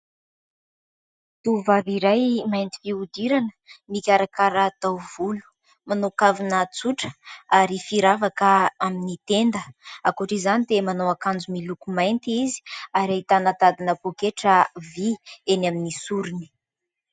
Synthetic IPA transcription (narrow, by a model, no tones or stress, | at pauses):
t̪uvaviɾajmajnt̪i̥viud̪iɾanə̥mikʲaɾakaɾat̪awv̥ulu̥ | manokavinət͡suʈ͡ʂə̥aɾifiɾavakəaminit̪end̪əakuʈ͡ʂizanid̪emanowakand͡zumilukumajnt̪iizi̥aɾait̪anat̪ad̪inəpokeʈ͡ʂəvienaminisuɾini̥